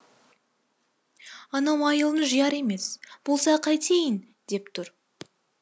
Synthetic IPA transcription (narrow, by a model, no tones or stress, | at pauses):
ɑnɑwɑjəlˠənəʒəjɑɾe̞me̞sb̥olˠsɑqʰɑjt̪ʰejən | d̪e̞pt̪ʰʊɾ